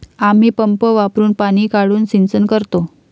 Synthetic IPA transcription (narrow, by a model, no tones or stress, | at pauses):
am̤iːpəmpəʋapɾuːnpaɽ̃iːkaɽuːnsint͡sənkəɾt̪o